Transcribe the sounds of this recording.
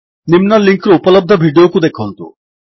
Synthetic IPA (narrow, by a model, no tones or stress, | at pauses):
nimnaliŋkɾoupɔlɔb̚d̪ʱɔbʱiɖiokud̪ekʰɔnt̪ṵ